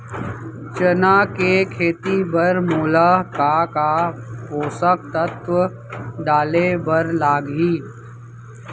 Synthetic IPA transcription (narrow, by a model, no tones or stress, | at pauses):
t͡ʃənaːkekʰeːt̪ibəɾmuːlakakapoːsək̚t̪ət̪ʰwə | ɖaːlebəɾlaːɡɦiː